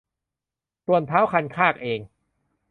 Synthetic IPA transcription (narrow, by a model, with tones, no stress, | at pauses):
t̪u˧ənp̪ʰaː˦˥wkʰa˧nkʰaː˥˩k̚ʔeː˧ŋ